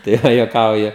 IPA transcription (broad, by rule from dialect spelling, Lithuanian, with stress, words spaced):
tɐɪ ˈʋɐ juɔˈkɐʊjʊ